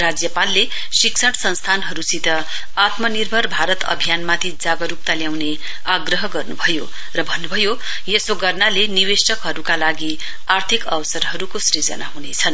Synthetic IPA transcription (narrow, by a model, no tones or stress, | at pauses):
rad͡zjʌpalːe | siksʰʌɽsʌnst̪ʰanɦʌɾusit̪ʌ | at̪mʌnirbʱʌrbʱaɾʌt̪ʌ̰bʱijanmat̪ʰid͡zaɡʌɾup̚t̪aljawne | aɡrʌɦʌɡʌrnubʱʌjo | rʌbʱʌnːubʱʌjo | jesoɡʌrnaleniwesʌkɦʌɾukalaɡi | art̪ʰikʌwʌsʌɾɦʌɾukosrid͡zʌ̰naɦunet͡sʰʌn